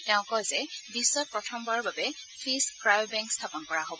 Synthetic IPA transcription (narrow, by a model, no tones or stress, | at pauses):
tɛʊ̃ŋkɔzɛbisːɔt̚pɹɔtʰɔmbaɹɔbabɛpʰiskɹajbɛ̃ŋkstʰapɔnkɔɹaɦobɔ